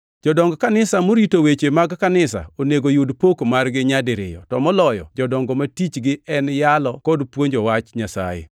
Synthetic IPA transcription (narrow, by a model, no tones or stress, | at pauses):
d͡ʒɔdɔŋɡɔkanɪsamoɾitowet͡ʃemaɡkanɪsa̰oneɡojudpokmarɡɪɲadɪɾɪ̰jɔ̰tɔmɔlɔjɔ̰d͡ʒɔdɔŋɡɔmatit͡ʃɡɪɛnjalɔkɔdpwoɲd͡ʒɔwat͡ʃɲasa̰jḛ